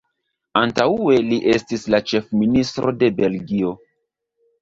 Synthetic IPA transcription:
antaue̞liʔestislat͡ʃe̞fministɾʔode̞be̞lɡio̞

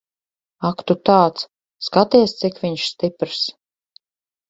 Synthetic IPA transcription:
akt̪ut̪aːt̪s | skat̪iɛst̪sikvʲiɲʃst̪ipɾs

